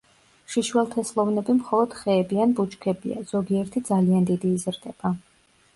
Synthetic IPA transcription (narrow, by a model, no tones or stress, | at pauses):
ʃiʃwɛlˠt̪ʰɛslˠɔvnɛbimχɔlˠɔd̪̥χɛːbianbut͡ʃkʰɛbḭa̰z̥ɔɡiɛɾt̪ʰid̪zaliand̪id̪iːzɾd̪ɛb̥a